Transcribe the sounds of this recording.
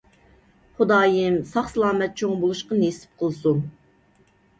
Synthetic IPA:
χʊd̪ɑːjɨmsɑχsɨlˠɑːmɛt̪̚t͡ʃʰoŋbolˠuʃqɑnesɪ̥p̚qʰəlˠsun

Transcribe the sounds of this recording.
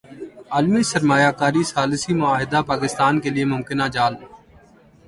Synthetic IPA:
aːlmisəɾmaːjaːkaːɾisaːlɪsimʊaːɦɪd̪aːpaːkɪst̪aːnkelɪemʊmkɪnad͡ʒaːl

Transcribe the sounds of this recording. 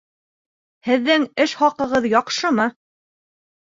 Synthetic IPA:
hɘ̆ðːɘŋɘʃχɑqɤ̆ʁɤðjɒqʃɤmɤ

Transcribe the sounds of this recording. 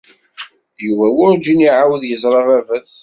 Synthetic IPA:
juvæwʊɾd͡ʒiniʕawəðjəzˤɾˤɑʁævæs

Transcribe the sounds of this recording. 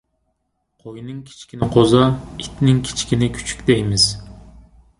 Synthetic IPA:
qʰojnɨŋkʲʰi̥t͡ʃkʲinɪqʰozɑit̪nɪŋkʲʰi̥t͡ʃkʲinɪkʲʰy̥t͡ʃʰy̥kʲd̪ɛjmɪz

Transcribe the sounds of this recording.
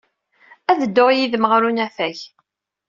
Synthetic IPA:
æðəd̪ːʊʁjiðməʁɾunæθæç

